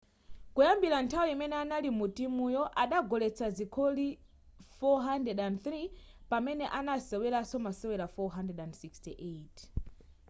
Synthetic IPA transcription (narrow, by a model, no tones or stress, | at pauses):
kujambiɾantʰawiimɛnɛanalimutimujɔʔaɗaɡɔlɛt͡sʰazikʰoli | fɔɦandɛɗanθɾipamɛnɛʔanasɛwɛlasɔmasɛwɛlafɔɦandɛdandsikstiʔetʰ